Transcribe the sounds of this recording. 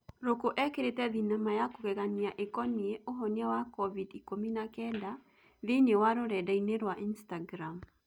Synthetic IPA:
ɾokoʔɛkeɾetɛðinamajakokɛɣaniaʔekɔnieʔoɦɔniawakɔvidikominakɛnda | ðenewaɾoɾɛdaineɾwaʔinstaɡɾam

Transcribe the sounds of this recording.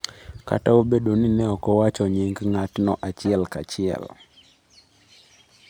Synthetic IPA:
ka̰taobeɗoninɛɔkɔwat͡ʃɔɲiŋɡŋatnɔʔat͡ʃɪɛlkat͡ʃɪɛ̰l

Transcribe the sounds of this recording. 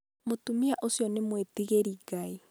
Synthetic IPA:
motumiaʔosjɔnemwetiɣeɾiːɡai

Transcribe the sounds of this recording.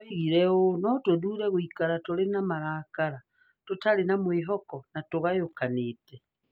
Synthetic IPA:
ɣiɾɛonɔtoðuɾɛɣoikaɾatoɾenamaɾaːkaɾa | totaɾenamweɦɔkɔnatoɣajokaneːtɛ

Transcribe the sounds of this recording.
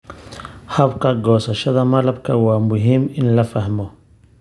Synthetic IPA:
hɐbkʰɐɡɔːsɐʃɐðɐmɐlɐbkʰɐwɑːmʊɦiːmɪnlɐfɐhmɔ

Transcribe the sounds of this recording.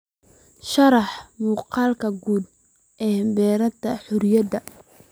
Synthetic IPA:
ʃɐɾɑħmuːqɑːlkʰɐɡuːd̪̚ | ʔɛːhmbɛːɾɐt̪ʰːɐħʊɾjɐd̪ɐ

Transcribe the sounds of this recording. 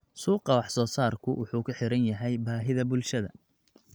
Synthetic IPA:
suːqɑwɑħsɔːsaːrkʰʊwʊ̰ħuːkʰʊħɪɾɐnjɐɦɛjbaːɦɪðɐbʊlʃɐðɐ̰

